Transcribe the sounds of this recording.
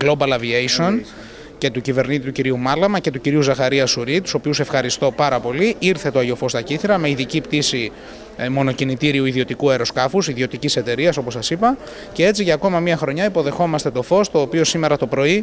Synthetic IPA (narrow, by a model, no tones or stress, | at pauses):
ɡlo̞bɐlɐviejso̞n | ce̞t̪ucive̞ɾnit̪it̪uciɾiumɐlɐmɐce̞t̪uciɾiuzɐxɐɾiɐsuɾit̪u̥so̞piuse̞fxɐɾist̪o̞pɐɾɐpo̞liiɾθe̞t̪oɐʝo̞fo̞st̪ɐciθiɾɐme̞iðicipt̪isi | mo̞no̞cinit̪iɾiuiðio̞t̪ikueɾo̞skɐfusiðio̞t̪icise̞t̪e̞ɾiɐso̞po̞sːɐsipɐ | ce̞e̞t͡siʝɐːko̞mɐmiɐxɾo̞ɲɐipo̞ðe̞xo̞mɐst̪e̞t̪o̞fo̞st̪o̞ːpio̞sime̞ɾɐt̪o̞pɾo̞i